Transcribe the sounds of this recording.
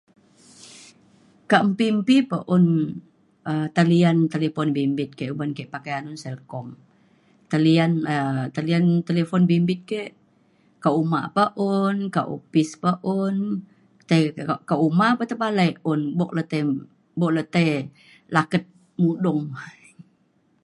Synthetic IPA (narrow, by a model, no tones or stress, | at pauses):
kaʔmpimpipəʔʊn | ət̪aliant̪elefɔnbimbɪt̪̚kɛʔubankɛʔpakajanunsɛlkɔm | t̪alianət̪aliant̪elefɔnbimbɪt̪̚keʔ | kaumaʔpaʔunkaʔo̰pispaʔun | t̪ajkaʔumaʔpət̪əbalajʔʊnbɔʔ̚lət̪ə | bɔʔlət̪əj | lakət̪̚ | mudɔŋ